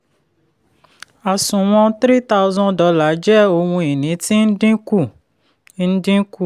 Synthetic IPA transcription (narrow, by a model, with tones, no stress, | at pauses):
a˨sũ˨w̃ɔ̃˧tɾi˦ta˦u˧zɔ̃˦dɔ˨˧˦la˨˦d͡ʒɛ˦o˧wũ˧i˨nĩ˨˦ti˦n̩˦dĩ˦ku˦˨ | n̩˦dĩ˦ku˦˨